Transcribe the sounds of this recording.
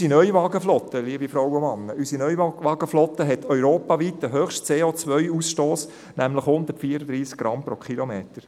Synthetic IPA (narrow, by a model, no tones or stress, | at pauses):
sinœʏʋɑːɡəflɔt̪ːəliəbifɾɔwomɑnːəysinœʏʋɑːɡ̥əflɔt̪ːəɦɛt̪ʰœʏɾoːpɑːʋit̚dəɦøχʃtt͡seːot͡sʋœɥusʃtoːs | næmləχhʊnd̪ərtfiːəɾəd̪ɾiːsk̚ɡ̥ɾɑmpɾokʰχilɔmeːtəɾ